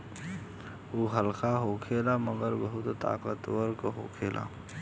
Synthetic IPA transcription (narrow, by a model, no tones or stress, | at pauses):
oːɦəlkaɦokʰeːlaməɡəɾbəɦʊt̪t̪a̰ːqət̪wəɾkɦo̰ːkʰeːla̰ː